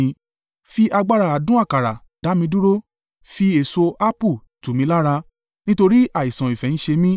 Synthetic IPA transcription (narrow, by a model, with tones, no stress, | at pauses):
fi˦ʔa˧ɡ͡ba˦ɾa˧˨a˨dũ˦a˦˨ka˨ɾa˨ | d̥a˨˦mĩ˧du˦ɾo˦ | fi˦e˨so˧a˦pu˦˨ | tũ˨mĩ˧˦la˦ɾa˧ | nĩ˦to˧ɾi˦ʔa˦˨i˨sã˨i˨fɛ˨nĩ˨˦ʃe˧mĩ˦